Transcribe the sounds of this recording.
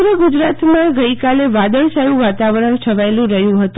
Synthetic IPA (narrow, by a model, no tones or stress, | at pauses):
ɾəɡud͡ʒɾat̪mãɡəikaleʋad̪əɭsajũʋat̪aʋɾəɳt͡ʃʰəʋajlũɾəɦjũɦət̪